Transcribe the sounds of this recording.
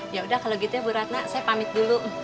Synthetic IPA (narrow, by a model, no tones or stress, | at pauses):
jaudahkaloɡit̪uabəɾat̪̚nasajapamɪt̪̚dulu